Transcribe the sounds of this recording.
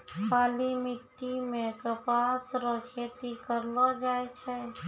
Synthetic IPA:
kʰaːlimɪʈːimẽkəpaːsɾəkʰet̪ikəɾlad͡ʒaːet͡ʃʰɛ

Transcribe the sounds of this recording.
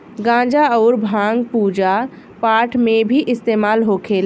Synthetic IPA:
ɡãːd͡ʒaɔːɾbʱãːŋɡpuːd͡ʒa | paːʈʰmẽbʱiʔɪst̪eːmaːlɦokʰeːl

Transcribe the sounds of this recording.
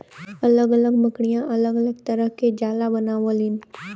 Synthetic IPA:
ɐləɡələɡməkɽijãʔɐləɡələɡt̪ɐɾəɦked͡ʒaːlabɐnaːʋõlin

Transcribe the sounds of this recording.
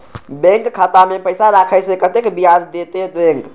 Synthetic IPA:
bẽŋkkʰːat̪amepəjsaɾakʰəjsẽkət̪ekbiad͡ʒd̪et̪ed̪ẽŋk

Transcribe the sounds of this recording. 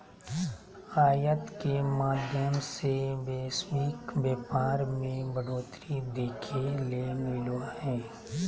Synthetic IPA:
aːjət̪kemaːd̪ʱjəmsebeːswiːkbeːpaːɾmẽbəɽoːt̪ɾid̪eːkʰeleːmɪlwaɦɛ̃ː

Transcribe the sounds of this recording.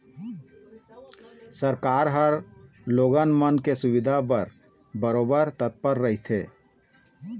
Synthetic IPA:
səɾkaːɾɦəɾ | loɡənmənkesuʋid̪ʱabəɾ | bəɾoːbəɾt̪ət̪̚pəɾːəɦit̪ʰḛ

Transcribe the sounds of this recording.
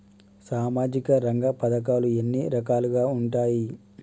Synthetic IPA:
saːmaːd͡ʒikɐɾɐŋɡɐpɐd̪ɐk̬aːluenːiɾɐkaːluɡaːuɳʈaːji

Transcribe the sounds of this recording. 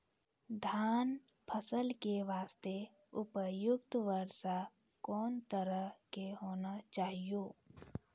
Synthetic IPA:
d̪ʱaːn | pʰəsəlkeʋaːst̪e | ʊpəjʊkt̪ʋəɾsa | kɔːnt̪əɾəɦkeɦoːnat͡ʃaːɦijoː

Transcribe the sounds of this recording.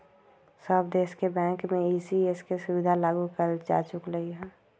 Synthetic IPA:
səbd̪eːskebɛ̃ːŋkmẽiːsieskesʊʋɪd̪ʱalaːɡukəɾd͡ʒa̰ːt͡ʃʊkɾəiɦɛ̃ː

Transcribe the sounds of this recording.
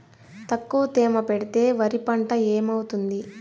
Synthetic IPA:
t̪ɐkːuʋt̪eːmɐpeɽit̪e̞ːʋɐɾipɐɳʈɐeːmɐwut̪und̪i

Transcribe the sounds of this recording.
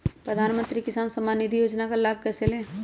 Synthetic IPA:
pɾəd̪ʱaːnmə̃nt̪ɾikɪsaːnsəmaːnid̪ʱijoːd͡ʒnakalaːb̚ʱkɛsele

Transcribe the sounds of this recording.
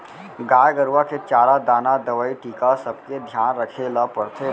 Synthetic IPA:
ɡaːjɡəɾʋaket͡ʃaːɾad̪aːnad̪ɐʋəːiʈiːkasɐb̚ked̪ʱjaːnɾɐkʰelapɐɽt̪ʰe

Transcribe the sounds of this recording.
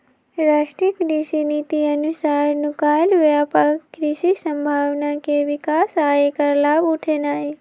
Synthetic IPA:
ɾaːʃʈikɾiʃinit̪iənʊsaːɾnʊkaːjlɦʊjapakːɾiʃisə̃mbʱaːʋnakeʋɪkaːsaːekəɾlaːbʊʈʰenaːɦe

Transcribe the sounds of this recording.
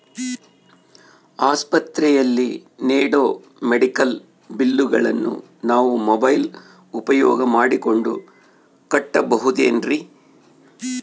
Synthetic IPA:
aːspɐt̪ɾɛjɐlːineːɽoː | meɽikɐl | bilːuɡɐ̰ɭɐnːṵ | naːʋumobɐjl | upɐjɔ̰ːɡɐmaːɽiko̞ɳɖu | kɐʈːɐbɐɦud̪ḛːnɾi

